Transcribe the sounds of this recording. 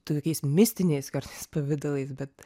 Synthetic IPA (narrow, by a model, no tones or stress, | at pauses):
t̪ukʲiːsmʲɪsʲt̪ʲɪnʲɛːskɐɾt̪ʲɛspɐʋʲɪd̪ɐlʲˠiːsbʲɛt̪